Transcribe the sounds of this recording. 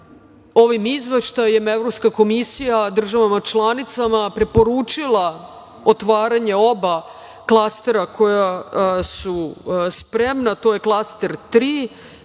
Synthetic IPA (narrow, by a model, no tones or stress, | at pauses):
o̞ʋimizʋeʃt̪ajemevɾopskako̞misijad̪r̩ʒaʋamat͡ʃlˠanit̪samapɾe̞po̞ɾuːt͡ʃilˠa | o̞t̪ʋaːɾaɲe̞o̞ba | klˠast̪e̞ɾako̞jasuspɾe̞mnat̪o̞je̞klˠast̪e̞ɾt̪ɾiː